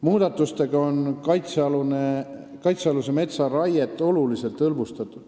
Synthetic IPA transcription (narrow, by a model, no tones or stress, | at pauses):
muːd̪̥ɑt̪ːˑust̪e̞ɡ̥ɑo̞nkɑjt̪seɑlune | kɑjt̪seɑlus̬e̞me̞t̪sɑrɑjet̪ːˑo̞lulise̞lt̪ːɤlvust̪ɑt̪ːˑud̪̥